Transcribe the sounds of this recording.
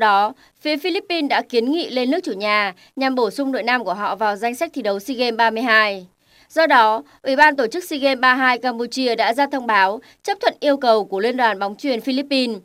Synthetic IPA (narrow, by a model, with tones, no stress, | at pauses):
ɗɔ˨˦ | fi˨˦fi˧li˦˥pːi˧nɗa̰ː˧˥ki˨˦ənŋḭ˧˨le˧nɨ˦˥ək̚t͡ɕu˧˩ɲaː˨˩ | ɲa˨˩mɓo˧˩sʊ˧ŋ͡mɗo̰˧˨jnaː˧mku˧˩əɦɔ̰˧˨vaː˨˩wza˧jŋ̟sa˦˥k̚t̪ʰi˧˨ɗə˨˦wsi˧ɣe˧mɓaː˧mɨ˧əjɦaː˧j | zɔ˧ɗɔ˨˦ | ʔwi˧˩ɓaː˧nt̪o˧˩t͡ɕɨ˦˥k̚si˧ɣe˧mɓaː˧ɦaː˧jkaː˧mpu˧t͡ɕi˧əɗa̰ː˧˥zaː˧t̪ʰə˧wŋ͡mɓaː˨˦w | t͡ɕə˦˥pt̪ʰwə̰˧˨nʔi˧əwkə˨˩wku˧˩əlwi˧ənɗwaː˨˩nɓɔ˨˦wŋ͡mt͡ɕwi˨˩ənfi˧li˦˥pːi˧n